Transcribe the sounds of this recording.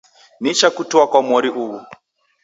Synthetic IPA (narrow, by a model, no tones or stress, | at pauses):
nit͡ʃakutiwakwamɔɾiʔuwu